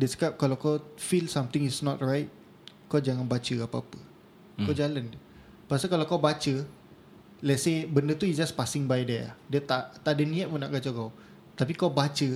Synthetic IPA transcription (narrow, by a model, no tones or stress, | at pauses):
dɛsə̥kap̚kalawkawfilsãmt̪ɪ̃ŋisnɔt̚ɹajt̚ | kawd͡ʒaŋãnbat͡ʃəapaapə | kawd͡ʒalandə | pasakalawkawbat͡ʃə | lɛtsebəndət̪uisd͡ʒaspasɪ̃ŋbajdɛa̰diət̪aʔt̪aadənĩat̚puna̰ʔɡat͡ʃakaw | t̪apikawbat͡ʃə